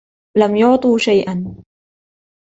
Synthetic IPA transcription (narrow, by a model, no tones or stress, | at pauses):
lamjʊʕt̪ˤuːʃajʔan